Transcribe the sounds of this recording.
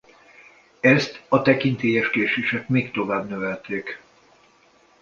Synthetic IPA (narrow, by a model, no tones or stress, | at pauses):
ɛst̪ɒt̪ɛkint̪eːjɛʃkeːʃeːʃɛkmeːkt̪o̞vaːbnøvɛlt̪eːk